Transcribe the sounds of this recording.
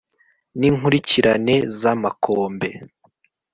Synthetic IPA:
niːŋɦuɾiciɾane̞zamakʰoːmbe̞

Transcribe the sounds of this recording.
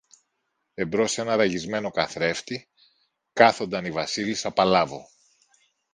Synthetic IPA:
e̞bɾo̞se̞nɐɾɐʝizme̞no̞kɐθɾe̞ft̪i | kɐθo̞nd̪ɐnivɐsilisɐpɐlɐvo̞

